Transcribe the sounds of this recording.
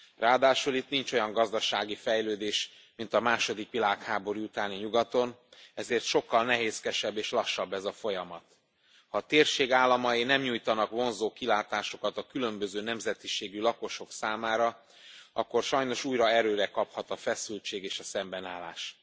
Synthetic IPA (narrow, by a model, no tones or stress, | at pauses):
raːd̪aːʃulit̪nint͡ʃo̞jɒŋɡɒzd̪ɒʃaːɡifɛjløːd̪eːʃ | mint̪ɒmaːʃo̞d̪ikʋilaːkhaːbo̞ɾiut̪aːniɲuɡɒt̪o̞nɛzeːrt̪ʃo̞kːɒlnɛɦeːskɛʃɛbːeːʃlɒʃːɒbːɛzɒfo̞jɒmɒt̪ | hɒt̪eːrʃeːɡaːlːɒmɒinɛmɲuːjt̪ɒnɒkʋo̞nzoːkilaːt̪aːʃokɒt̪ɒkylø̞mbøzøːnɛmzɛt̪iʃeːɡylɒko̞ʃo̞ksaːmaːɾɒ | ɒ̰kːo̞rʃɒjno̞ʃuːjɾɒɛɾøːɾɛkɒphɒt̪ɒfɛsylt͡ʃeːɡeːʃɒsɛmbɛnaːla̰ːʃ